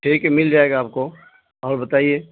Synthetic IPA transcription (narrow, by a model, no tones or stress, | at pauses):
ʈʰiːkɦɛmɪld͡ʒaːeːɡaːp̚ko | ɔːɾbɐt̪aːieː